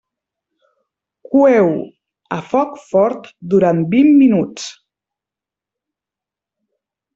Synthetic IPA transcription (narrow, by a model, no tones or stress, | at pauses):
kuɛw | ə̰fɔkfɔɾt̪d̪uɾanbimːinut͡s